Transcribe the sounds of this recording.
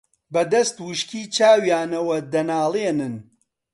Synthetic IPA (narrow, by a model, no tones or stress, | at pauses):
bɐd̪ɐst̪wɨʃkiːt͡ʃʰaːwjaːnɐwɐd̪ɐnaːlˠeːnɨn